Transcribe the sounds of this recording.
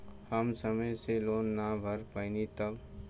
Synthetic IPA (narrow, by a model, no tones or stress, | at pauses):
həmsəməjseloːnːabʱəɾpəɪnit̪ək